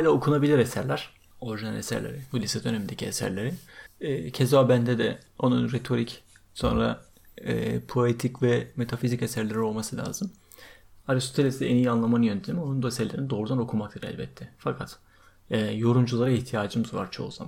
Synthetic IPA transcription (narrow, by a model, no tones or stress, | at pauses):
ajlʲaokʰunabilʲiɾesæɾlʲæɾ̥ | o̞ɾiʒina̰lʲesæ̰ɾlʲḛɾɪbulʲisɛd̪ø̞nemind̪ecʰiesæ̰ɾlʲeɾinɛːcʰe̞zobænd̪ɛd̪ɛo̞nunɾet̪ʰo̞ɾic | so̞̰nɾa̰ | ɛ̰ːpʰo̞et̪ʰicvɛme̞t̪ʰafizice̞sæɾlʲeɾio̞lˠmasɯlʲa̰ːzɯm | aɾiso̥t̪ʰelʲesenijianlˠamanɯjøt̪ʰemo̞nund̪osæɾlʲeɾinid̪o̞ːɾud̪ano̞kʰumak̚t̪ʰɯɾɛ̰lʲbɛt̪ʰːɛfakʰat̪ | ɛjo̞ɾumd͡ʒulˠaɾaiçt̪ʰijaːd͡ʒɯmɯzva̰ɾt͡ʃʰo̞̰ṵz̥a̰man